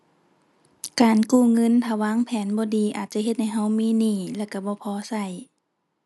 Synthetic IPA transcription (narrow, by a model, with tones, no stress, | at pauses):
kaː˨˩nkuː˧˩ŋɤ˧˥˨nt̪ʰaː˧˩waː˧˥˨ŋpʰɛː˨˦nbɔː˧˦diː˨˦ʔaː˨t̪̚t͡ɕa˧˥ɦe˧t̪̚ha˧˨jɦa˧˥˨wmiː˧˥˨niː˧˩lɛː˧˩˨wka˧˩bɔː˧˦pʰɔː˧˦sa˧˩j